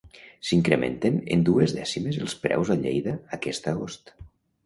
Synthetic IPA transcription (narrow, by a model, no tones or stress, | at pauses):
siŋkɾemʔḛnt̪enend̪uezðɛsimezelˠspɾɛ̰wzaʎejðəːkɛst̪əɣost̪